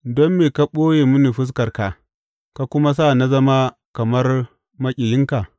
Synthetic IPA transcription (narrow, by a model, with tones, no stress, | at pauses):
dɔ˦mːeː˨ka˨ɓoː˦je˨mu˦ni˨ɸʊ˦s̬kɐ˨rka˨ | ka˨kʷʊ˦ma˦s̬a˦˨na˦zɐ˦ma˦ | kɐ˨mɐ˦r | mɐ˦kʲʼɪ˨jɪ˦ŋka˨